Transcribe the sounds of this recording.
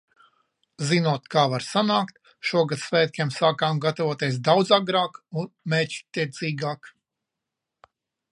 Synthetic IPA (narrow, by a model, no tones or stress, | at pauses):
zinuɔt̪kaːvaɾsanaːkt̪̚ | ʃuɔɡat̪svɛːt̪̚kʲɛmsaːkaːmɡat̪avuɔt̪eɛs̬d̪awd̪zaɡɾaːkunmɛːct̪iɛt̪siːɡaːk